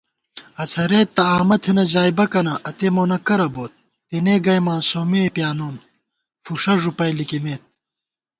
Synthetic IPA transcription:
ɐt͡sʰɐɾeːt̪ːɐaːmɐt̪ʰenɐd͡ʑaːjbɐkɐnɐʔɐt̪eːmoːnɐkɐɾɐboːt̪̚ːineːɡɐjmãːsoːmepjaːnoːn | fuʂɐʐupɐjlikimeːt̪̚

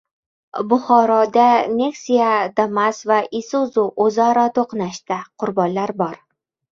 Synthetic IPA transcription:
bʊχɒɾɒd̪ane̞ksijad̪amasvaʔisuzuʔozaɾɒt̪ʰoqnaʃt̪aqʰʊɾbɒnlaɾbɒɾ

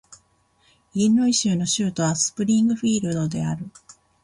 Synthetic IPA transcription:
ĩnːo̞iɕɨːno̞ɕɨːt̪o̞βasɨ̥pɯ̟ɾʲĩŋɡɯ̟ɸʲiːɾɯ̟d̪o̞d̪e̞aɾɯ̟

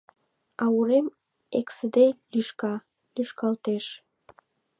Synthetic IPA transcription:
ɑuɾem | eksəd̪elyʃkɑ | lyʃkɑlt̪eʃ

